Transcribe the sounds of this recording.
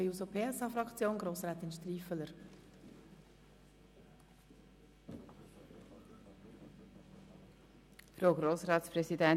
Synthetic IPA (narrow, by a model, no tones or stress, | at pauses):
ɛuːsopʰeːɛsɑːfɾɑkt͡sjoːnɡɾoːsɾɑːt̪ɪnʃtriːfələɾ | fɾoʊɡɾoːsɾɑːt̪spɾɛsidɛn